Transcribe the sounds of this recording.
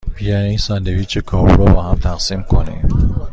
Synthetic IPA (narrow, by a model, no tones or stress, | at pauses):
b̥ijɒninsænd̪eviːt͡ʃʰekʰɒːɾuɾɔbɒːɦæmt̪ʰæɣsimkʰonḭ